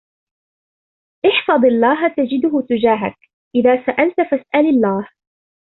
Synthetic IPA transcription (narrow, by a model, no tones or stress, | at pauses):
ʔɪħfɑðˤɑlːɑːɦat̪ad͡ʒɪd̪ʊhʊt̪ʊd͡ʒaːɦak | ʔɪðaːsaʔalt̪fasʔalalːaːh